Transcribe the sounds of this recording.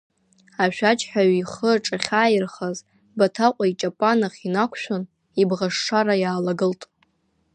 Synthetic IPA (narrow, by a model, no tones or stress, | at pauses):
aʃᶣat͡ʃʰʼħᶣaɥiχəʈ͡ʂʼaχʲaːjɪrχaz | batʰaqʷʼait͡ʃʼapʼanaχʲinakʷʰʃᶣʊn | ibʁaʂːaɾajaːlaɡɨltʼ